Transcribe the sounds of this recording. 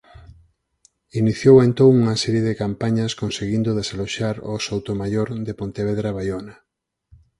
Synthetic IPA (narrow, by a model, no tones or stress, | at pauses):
iniθjowent̪oŋuŋɐsɛɾjeðɪkampaɲɐskonseɣind̪oðesaloʃaɾosowt̪omajoɾðepont̪eβ̞eðɾaβajonɐ